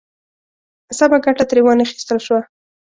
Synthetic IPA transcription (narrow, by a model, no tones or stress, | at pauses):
sabaɡaʈat̪ɾewɑnaxi̥st̪əlʃwa